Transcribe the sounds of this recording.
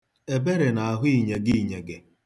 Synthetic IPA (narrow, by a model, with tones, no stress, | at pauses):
e˨be˦ɾe˨na˨a˨ɦʊ˦i˨ɲe˨ɡi˦i˨ɲe˨ɡɪ˨